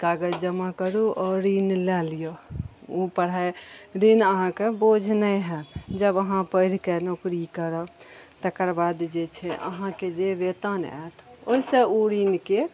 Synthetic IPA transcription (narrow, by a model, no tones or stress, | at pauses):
kaɡəd͡ʒəmakəɾuʔɔɾinlɛlijoupəɽ̤ajɾinəɦãkebod͡ʒʱnəɦɛ̃d͡ʒəbəɦãpəɪɽ̤kenokɾikəɾət̪əkəɾbad̪d͡ʒet͡ʃʰɛʔə̰ɦãked͡ʒebet̪ənɛ̰t̪ʰoisəuɾinke